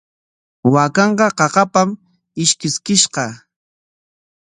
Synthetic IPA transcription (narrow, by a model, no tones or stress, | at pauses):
wakɑɴɢɑqɑqɑpam | ɪʃkɪskɪʃqɑ